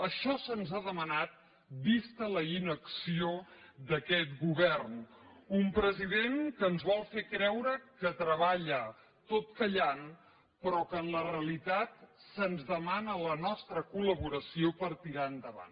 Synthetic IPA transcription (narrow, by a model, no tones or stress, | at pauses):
əʃɔsənzaðəmənat̪̚ | bist̪ələinəksiod̪əkɛt̪̚ɡuβɛrnumpɾəziðenkəːnzβɔlˠfekɾɛwɾəkət̪ɾəβ̞aʎə | t̪ot̪kəʎan | pɾɔkənləreəlit̪at̪̚sənzðəmanələnɔst̪ɾəkuləβuɾəsiopəɾt̪iɾand̪əβa̰n